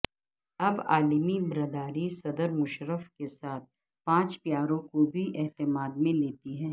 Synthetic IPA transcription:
ɐba̰ːlmibɾɐd̪aːɾisɐd̪əɾmʊʃɾəfkesaːt̪̚ | pãːt͡ʃpjaːɾõkobʱiʔɛɦt̪ɪmaːd̪mẽleːt̪iɦɛ̃ː

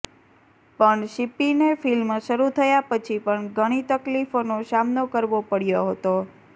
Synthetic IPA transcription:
pəɳʃipinefilmʃəɾut̪ʰəjapət͡ʃʰipəɳɡəɽ̃it̪əklifonosamnokəɾʋopəɽjoɦət̪o

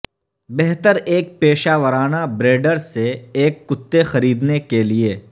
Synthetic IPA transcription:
bɛɦt̪əɾeːk̚peːʃaːʋəɾaːnabɾeːɖəɾseeːkːʊt̪ːexɐɾiːd̪nekelieː

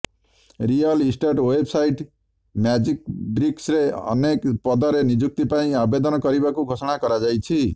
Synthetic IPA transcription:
ɾijʌlisʈaʈwebsajʈ | mjad͡ʒikbɾiksɾeʌ̰nekpʌd̪ʌɾenid͡ʒuk̚t̪ipaĩabed̪ɔnkʌɾibakuɡʱosɔɽ̃akʌɾad͡ʒajt͡ʃʰi

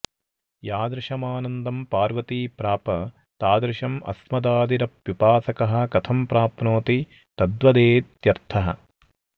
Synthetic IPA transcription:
jaːd̪ɾɪʃɐmaːnɐnd̪ɐmpaːɾʋɐt̪iːpɾaːpɐ | t̪aːd̪ɾɪʃɐmɐ̰smɐd̪aːd̪iɾɐp̚ʋipaːsɐkɐɦɐ̆kɐt̪ʰɐmpɾaːpnoːt̪i | t̪ɐd̪ʋɐd̪eːt̪jɐɾt̪ʰɐɦɐ̰

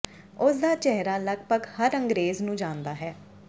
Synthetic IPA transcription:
ʊsd̪aːt͡ʃɛɦɾaːləɡ̚pəɡhəɾəŋɡɾeːznũːd͡ʒãːnd̪aːɦɛː

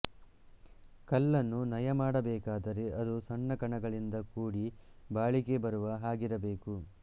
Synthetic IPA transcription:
kɐlːɐnːunɐjɐmaːɽɐbɛːkaːd̪ɐɾe̞ʔɐd̪usɐnːɐkɐɳɐɡɐɭind̪ɐkuːɽi | baːɭike̞bɐɾuʋɐɦaːɡiɾɐbeːku

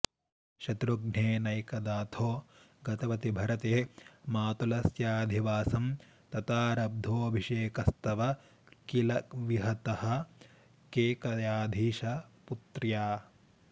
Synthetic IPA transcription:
ʃɐt̪ɾuɡɳ̤eːnɐjkɐd̪aːt̪ʰoː | ɡɐt̪ɐʋɐt̪ibʱɐɾɐt̪eːmaːt̪ulɐsjaːd̪ʱiʋaːsɐm | t̪ɐt̪aːɾɐb̚d̪ʱoːɐbʱiʃeːkɐst̪ɐʋɐ | kilɐʋiɦɐt̪ɐhɐ̆ | keːkɐjaːd̪ʱiːʃɐput̪ɾjaː

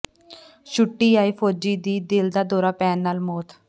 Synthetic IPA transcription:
ʃʊʈːiːaːiːpʰoːd͡ʒiːd̪iːd̪ɪld̪aːd̪oːɾaːpɛːnːaːlmoːt̪ʰ

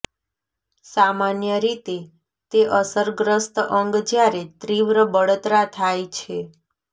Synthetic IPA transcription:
samanjəɾit̪e | t̪eʔəsəɾɡɾəst̪ʔəŋɡd͡ʒjaɾet̪ɾiʋɾəbəɽət̪ɾat̪ʰajt͡ʃʰe

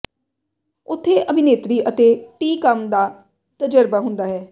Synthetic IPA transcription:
ʊt̪ʰːeːʔəbʱɪneːt̪ɾiːʔət̪eːʈiːkəmd̪aː | t̪əd͡ʒəɾbaːɦʊ̃nd̪aːɦɛː

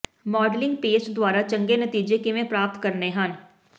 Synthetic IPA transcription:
mɔːɖlɪ̃ŋɡpeːt͡ʃd̪waːɾat͡ʃə̃ŋɡenət̪iːd͡ʒekeʋẽpɾaːp̚t̪kəɾneɦən

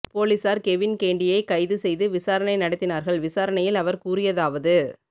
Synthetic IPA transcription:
poːlisaːɾkɛʋɪnkeːɳɖɪjɐɪkɐɪðɯsɛjðɯʋɪsaːɾɐnɐɪnɐɽɐt̪ːɪnaːɾɣɐɭʋɪsaːɾɐnɐjɪlɐʋɐɾkuːɾɪjɐðaːʋɐðɯ

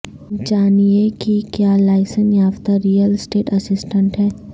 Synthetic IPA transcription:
t͡ʃaːniekikjaːlaːɪsənjaːft̪aɾijəlsʈeːʈɐsɪsʈə̃ɳʈɦɛː

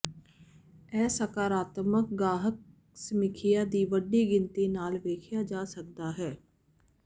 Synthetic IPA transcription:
ɛːsəkaːɾaːt̪mək̚ɡaːɦək̚ | səmɪkʰɪjaːd̪iːʋəɖiːɡɪnt̪iːnaːlʋeːkʰɪjaːd͡ʒaːsək̚d̪aːɦɛː

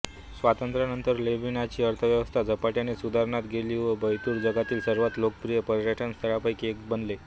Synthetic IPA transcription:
sʋat̪ənt̪ɾanənt̪əɾlebinat͡ɕiːəɾt̪ʰəʋjəʋəst̪ʰad͡zəpaʈjanesud̪ʱaɾɳat̪ɡeliːʋəbəjt̪uːɾd͡zəɡat̪iːlsəɾʋat̪lokəpɾijəpəɾɾəʈʰənst̪ʰəɭapəjkeksbənle

